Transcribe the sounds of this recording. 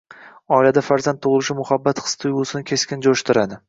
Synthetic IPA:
ɒilad̪afaɾzant̪ʰːʊʁɨlˠɪʃɪmʊhabːat̪χɨ̥st̪ʰʊjɡʊsɪnɪkʲʰe̞skʲɪnd͡ʒoʃt̪ʰɪɾad̪ɪ

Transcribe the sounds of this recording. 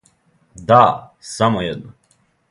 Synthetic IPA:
d̪asamojɛd̪na

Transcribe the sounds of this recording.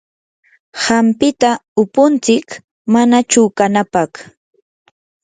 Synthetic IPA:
hampɪt̪aʊpʊnt͡sɪk | manat͡ʃʊkanapɑχ

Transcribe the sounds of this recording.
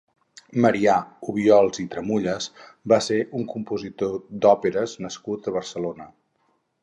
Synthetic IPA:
məɾiauβiɔlˠzit̪ɾəmuʎəzbaseʔuŋkumpuzit̪od̪ɔpeɾəznəskut̪əβ̞ərsəlonə

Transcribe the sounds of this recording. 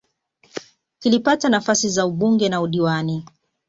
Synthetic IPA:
kilipatanafasizauɓuŋɡɛnauɗiwani

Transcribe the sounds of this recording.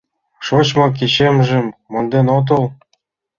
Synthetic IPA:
ʃot͡ɕmɑkiɕemʒĕmːɤ̆nd̪enot̪̬ɤl

